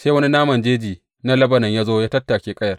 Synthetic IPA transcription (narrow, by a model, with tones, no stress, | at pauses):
se˦wɐ˦ni˦naː˦mɐ˨nd͡ʒeː˦d͡ʒiː˨ | na˦lɐ˦bɐ˨nɐ˨ɲjaː˦zoː˦jaː˦tɐ˦tːa˨kʲeː˦kʼɐ˦jɐ˨r